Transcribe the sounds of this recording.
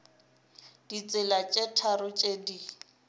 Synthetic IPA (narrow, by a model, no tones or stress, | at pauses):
d̥it͡sʼɪlat͡ʃʼetʰaɾʊt͡ʃʼedi